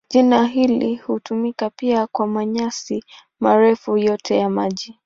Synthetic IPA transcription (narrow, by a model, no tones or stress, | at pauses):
ʄinaɦilihutumikapiakwamaɲasi | maɾɛfujɔtʰɛjamaʄi